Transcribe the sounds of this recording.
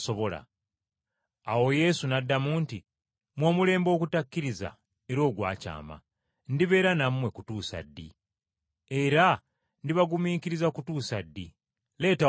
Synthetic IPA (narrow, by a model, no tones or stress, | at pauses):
so̞βo̞la̰ | awo̞je̞sunadːamuːnti | mwoːmule̞ːmbo̞ːkutakːiɾiza̰ | e̞ɾo̞ːɡwa̰ːca̰ːma̰ | ndiβe̞ːɾanamwe̞kutuːsa̰dːḭ | eɾa | ndiβaɡumiːkiɾizakutuːsadːi | le̞ːta